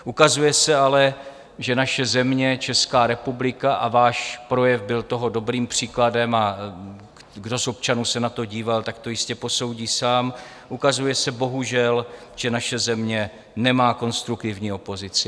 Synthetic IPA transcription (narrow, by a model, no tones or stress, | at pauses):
ʔukazujɛsɛalɛ | ʒɛnaʃɛzɛmɲɛt͡ʃɛskaːɾɛpublɪkaʔavaːʃpɾo̞jɛvbɪlt̪o̞ɦo̞do̞bɾiːmpr̝̥iːkladɛma | ɡdo̞so̞p̚t͡ʃanuːsɛnat̪o̞ɟiːvalt̪akt̪o̞jɪscɛpo̞so̞wɟiːsaːm | ʔukazujɛsɛbo̞ɦuʒɛlʒ̥ɛnaʃɛzɛmɲɛ | nɛmaːko̞nst̪ɾukt̪ɪvɲiːo̞po̞zɪt͡sɪ